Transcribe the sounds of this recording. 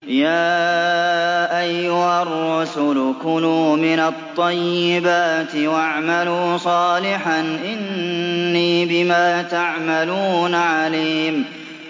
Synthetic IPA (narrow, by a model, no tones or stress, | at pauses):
jaː | ʔajːʊharˤːʊsʊlkʊnuːmɪnɑt̪ˤːɑjːɪbaːt̪ɪwaʕmaluːsˤɑːlɪħanʔɪnː | iːbɪmaːt̪aʕmaluːnaʕaliːm